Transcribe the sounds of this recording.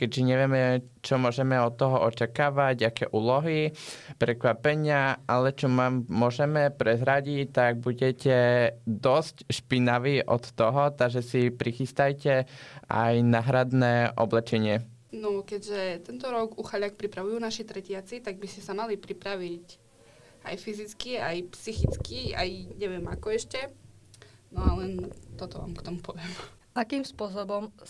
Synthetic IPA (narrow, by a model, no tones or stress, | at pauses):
kɛɟʒɛɲɛʋɪɛmɛ | t͡ʃɔmʊɔʒɛmɛɔt̪ːɔɦɔʔɔt͡ʃakaːʋaɟakɛ̰ːʔuːlɔɦipɾɛkʋapɛɲɪaʔalɛt͡ʃɔmaːmːʊɔʒɛmɛpɾɛzɾaɟict̪aɡ̚buɟɛcɛd̪ɔscʃpinaʋiʔɔ̰t̪ːɔɦɔt̪aɡʒɛsipɾixist̪ajcɛʔa̰jnaːɦɾad̪nɛʔɔ̰blɛt͡ʃɛɲɪɛ | nɔkɛɟʒɛt̪ɛnt̪ɔɾɔɡuxaʎak̚pɾipɾaʋujuːnaʃit̪ɾɛcɪat͡sit̪aɡ̚biscɛsamalipɾipɾaʋic | a̰jfizit͡skiajpsixit͡skia̰jɲɛʋɪɛma̰kɔɛʃcɛ | nɔalɛnt̪ɔt̪ɔʋa̰ːmkt̪ɔmupɔʋɪɛm | ʔakimspʊɔs̬ɔbɔm